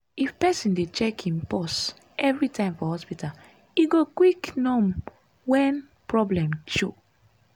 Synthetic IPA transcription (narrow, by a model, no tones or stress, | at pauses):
ifpɛsĩndet͡ʃɛkʰĩnpɔs | ʔɛvɹitʰãɪ̃mfɔhɔspital | iɡokwiknɔ̃m | wɛ̃n | pɹɔblɛ̃mt͡ʃo